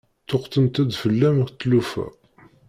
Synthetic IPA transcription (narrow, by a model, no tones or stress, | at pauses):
t̪ːoqt̪ənt̪æd̪fəlːæməθt̪ːlufæ̰